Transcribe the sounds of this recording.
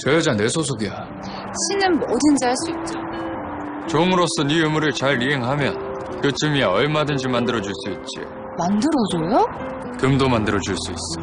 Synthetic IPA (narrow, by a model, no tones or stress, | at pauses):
t͡ɕʌjʌd͡ʑane̞sʰosʰoɡija | ɕʰinɯnmodɯnd͡ʑaɭs͈uit̚t͡ɕ͈a | t͡ɕomɯɾos͈ʌnijomuɾɯɭt͡ɕaɾiɦe̞ŋɦamjʌn | kɯt͡ɕɯmiaʌɭmadɯnd͡ʑimandɯɾʌd͡ʑuɭs͈uit̚t͡ɕ͈ḭ | mandɯɾod͡ʑojo | kɯmdomandɯɾʌd͡ʑuɭs͈uis͈ʌ̥